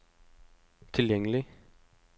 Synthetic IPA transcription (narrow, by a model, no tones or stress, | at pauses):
t̪ʰɪljɛŋəlɪ